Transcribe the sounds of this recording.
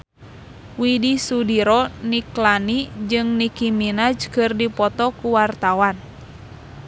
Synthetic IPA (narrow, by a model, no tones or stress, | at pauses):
widisudiɾɔniklanid͡ʒɨŋnikiminad͡ʒkɨrdipɔt̪ɔkuwart̪awan